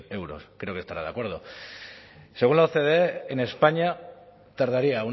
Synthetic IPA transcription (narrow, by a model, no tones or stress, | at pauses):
e̞wɾo̞̰skɾe̞o̞ke̞st̪aɾaðeakwe̞ɾð̞o̞ | seɣunlaoθe̞ðe̞ːne̞spaɲa | t̪aɾð̞aɾiau